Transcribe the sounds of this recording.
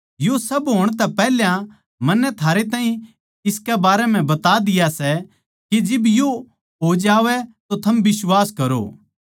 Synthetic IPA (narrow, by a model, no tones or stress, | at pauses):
josɐbɦoːɽ̃t̪ɛpɛːɦljã | mɐnːɛt̪ʰaːɾet̪̬aːɦĩ | ɪskɛbaːɾɛm̤ɛ̃bɐt̪ad̪ɪjasɛ | kid͡ʒɪbjo | ɦod͡ʒaːʋɛt̪ot̪ʰɐmbɪswaːskɐɾo̰ː